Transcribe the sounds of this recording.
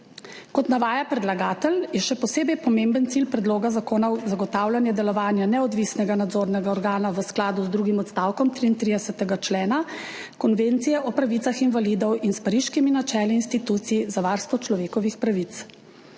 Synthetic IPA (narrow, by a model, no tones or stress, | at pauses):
kɔt̪naʋaːjapɾɛd̪laɡaːt̪əljɛʃɛpɔseːbɛjpɔmembənt̪silpɾɛd̪loːɡazakoːnɔwzaɡɔt̪aːwlanjad̪ɛlɔʋaːnjanɛɔd̪ʋisnɛɡanad̪zoːɾnɛɡaɔɾɡaːnaʋəsklaːd̪uzd̪ɾuɡimɔt̪st̪awkɔmt̪ɾiːnt̪ɾid̪ɛsɛt̪ɛɡat͡ʃlɛːna | kɔnʋent̪sijɛʔɔpɾaʋit̪saxinvalid̪ɔwinspaɾiʃkiminat͡ʃɛːliːnst̪it̪uːt̪siizaʋaɾst̪ʋɔt͡ʃlɔʋeːkɔʋixpɾaʋit̪s